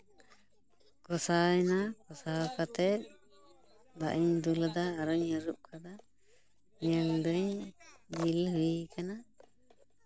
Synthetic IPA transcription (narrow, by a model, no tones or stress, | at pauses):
kɔsajnakɔsakat̪ɛt̪̚ | d̪a̰ʔiɲd̪uld̪aːɾɔɲəɾup̚kʰad̪a | ɲəld̪əɲd͡ʒilhɯjkana